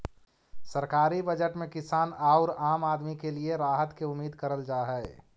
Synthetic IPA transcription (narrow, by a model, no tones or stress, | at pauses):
sɐɾkaːɾibəd͡ʒəʈmẽkɪsaːnaːʊɾaːmaːd̪mikelieɾaːɦət̪keʊmːiːd̪kɐɾəld͡ʒaːɦɛɛ